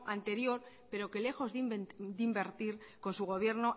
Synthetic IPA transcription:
ʔant̪e̞ɾjo̞ɾ | pe̞ɾo̞ke̞le̞xo̞zðid̪imbe̞ɾt̪iɾko̞nsuɣ̞o̞β̞je̞ɾno̞

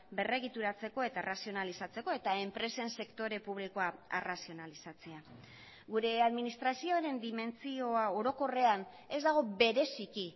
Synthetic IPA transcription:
be̞re̞ɣ̞it̪uɾat͡se̞ko̞e̞t̪arasio̞nalisat͡seko̞e̞t̪ae̞mpɾe̞se̞nse̞kt̪o̞ɾe̞puβ̞liko̞aerasio̞nalisat͡se̞a | ɡuɾe̞aðminist̪ɾasio̞aɾe̞nd̪ime̞nt͡sio̞ao̞ɾo̞ko̞re̞an | e̞zd̪aɣ̞o̞be̞ɾe̞siki

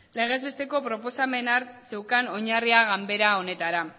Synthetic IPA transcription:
le̞ɣ̞e̞zβe̞st̪e̞ko̞pɾo̞po̞same̞naɾse̞wkano̞ɲariaɣambe̞ɾao̞ne̞t̪aɾa

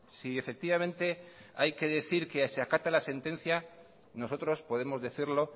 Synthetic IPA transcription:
sie̞fe̞k̚t̪iβamẽ̞nt̪e̞ajke̞ðe̞θiɾke̞seakat̪alase̞nt̪ẽ̞n̟θja | no̞s̬o̞t̪ɾo̞spo̞ð̞e̞mo̞zðe̞θiɾlo̞

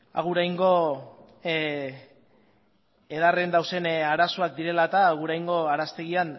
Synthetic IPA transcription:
a̰ɣ̞uɾajŋɡo̞ | eð̞are̞nd̪awse̞naɾasoak̚d̪iɾe̞lat̪aːɣuɾajŋɡo̞aɾast̪e̞ɣ̞ian

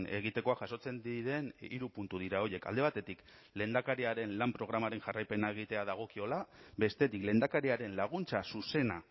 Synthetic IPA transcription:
ne̞ɣ̞it̪e̞ko̞aʝaso̞t͡se̞nd̪iɾe̞nḭɾupunt̪uðiɾao̞je̞ka̰ld̪e̞βat̪e̞t̪ik | le̞ːnd̪akaɾiaɾe̞nlampɾo̞ɣ̞ɾamaɾe̞ŋʝarajpe̞nae̞ɣ̞it̪e̞aðaɣ̞o̞kio̞labe̞st̪e̞t̪ikle̞ːnd̪akaɾiaɾe̞nlaɣ̞unt͡sasuse̞na

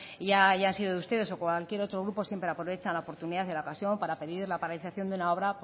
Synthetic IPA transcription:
ʝaʝaaːnsiðoðeust̪e̞ðe̞so̞kwalkje̞ɾot̪ɾo̞ɣɾupo̞sjempɾeapɾo̞βe̞t͡ʃanlaopo̞ɾt̪uniðaθelaokasjo̞mpaɾape̞ðiɾlapaɾaliθaθjo̞nd̪unao̞βɾap

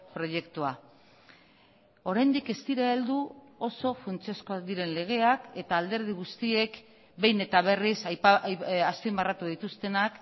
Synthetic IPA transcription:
pɾo̞je̞kt̪ua | o̞ɾajnd̪ike̞st̪iɾaeld̪uo̞so̞funt͡siasko̞akd̪iɾe̞nle̞ɣ̞e̞ake̞t̪aːld̪e̞ɾð̞iɣ̞ust̪ie̞k | be̞jne̞t̪aβ̞e̞risjaspimbarat̪uðit̪ust̪e̞nak

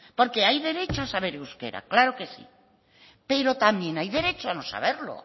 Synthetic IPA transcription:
po̞ɾke̞ajðe̞ɾe̞t͡ʃoasaβ̞e̞ɾewske̞̰ɾa̰klaɾoke̞sḭ | pe̞ɾo̞t̪amjẽ̞najðe̞ɾe̞t͡ʃoano̞sa̰β̞e̞ɾlo̰

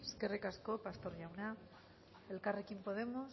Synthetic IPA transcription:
eskerekaskopast̪oɾʝawna | elkarekimpoðemos

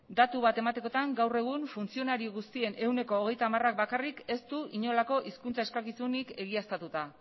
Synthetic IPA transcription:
d̪at̪uβat̪e̞mat̪e̞ko̞t̪aŋɡawre̞ɣ̞unfunt͡sio̞naɾioɣ̞ust̪ie̞nʔe̞wne̞ko̞ːɣ̞e̞jt̪aːmarak̚bakarike̞st̪uiɲo̞lako̞ʔiskunt͡saeskakisunike̞ɣ̞iast̪at̪ut̪a

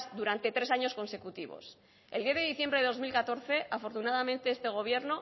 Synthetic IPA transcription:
zd̪uɾant̪e̞t̪ɾe̞saɲo̞sko̞nse̞kut̪iβo̰s | eld̪jeðe̞ðiθje̞mbɾeðozmilkat̪o̞ɾθe̞ʔafo̞ɾt̪unaðamẽ̞nt̪e̞est̪e̞ɣ̞o̞βje̞ɾno̞

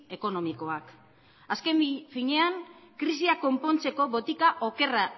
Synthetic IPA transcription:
e̞ko̞no̞miko̞ak | aske̞mfiɲe̞aŋkɾisiako̞mpo̞nt͡se̞ko̞βo̞t̪ikaʔo̞ke̞ra

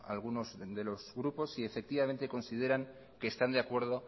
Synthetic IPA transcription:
a̰lɣ̞uno̞zðe̞lo̞zɣɾupo̞sie̞fe̞k̚t̪iβamẽ̞nt̪e̞ko̞nsið̞e̞ɾaŋ | ke̞ːst̪and̪eakwe̞ɾð̞o̞

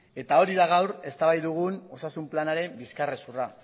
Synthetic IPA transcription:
e̞t̪ao̞ɾiðaɣ̞awɾe̞st̪aβajðuɣ̞uno̞sasumplanaɾe̞mbiskaresura

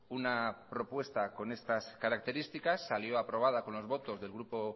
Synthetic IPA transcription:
unapɾo̞pwe̞st̪ako̞ne̞st̪askaɾak̚t̪e̞ɾist̪ikasːaljo̞apɾo̞β̞aðako̞nlo̞zβo̞t̪o̞zðe̞lɣɾupo̞

